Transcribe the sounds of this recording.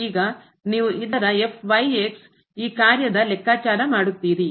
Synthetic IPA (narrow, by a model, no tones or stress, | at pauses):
iːɡɐ | niːʋuʔid̪ɐɾɐefʰʋɐjeks | iːkaːɾjɐd̪ɐlɛkːaːt͡ʃaːɾɐmaːɽut̪ːiːɾi